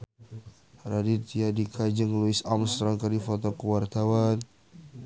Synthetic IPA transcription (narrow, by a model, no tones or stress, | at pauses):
radit̪iadikʰad͡ʒəŋluɪsamst̪ɾɔŋkardifɔt̪ɔkuwart̪awan